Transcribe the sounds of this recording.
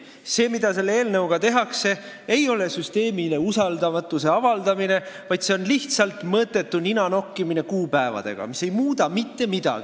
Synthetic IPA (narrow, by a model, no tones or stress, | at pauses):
se̞ːmid̪̥ɑse̞lːeeːlnɤwɡ̥ɑt̪e̞ɦɑkse̞ | ejo̞le̞syst̪e̞ːmile̞usɑld̪ɑmɑt̪ːˑuse̞ɑvɑld̪̥ɑmine̞vɑjd̪̥seonliht̪sɑlt̪ˑmɤːt̪ːˑe̞t̪ːuninɑno̞kːimine̞kuːpæevɑ̰d̪̥e̞̰ɡ̥ɑ̰mise̞jmuːd̪ɑmit̪ːe̞mid̪̥ɑ̰ɡi